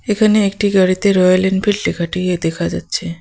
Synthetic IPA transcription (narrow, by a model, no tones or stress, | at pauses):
ekʰaneek̚ʈiɡaɽit̪eɾɔjalenɖfilʈekʰaʈiied̪ɛkʰad͡ʑatːɕʰe